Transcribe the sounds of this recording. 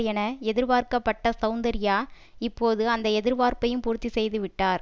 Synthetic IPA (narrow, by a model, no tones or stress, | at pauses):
jɛnɐɛðɪɾʋaːɾkɐpːɐʈːɐsɐʊnd̪ɐɾɪjaː | ɪpːoːðɯɐnd̪ɐɛðɪɾʋaːɾpɐjɯmpuːɾt̪ːisɛjðɯʋɪʈːaːɾ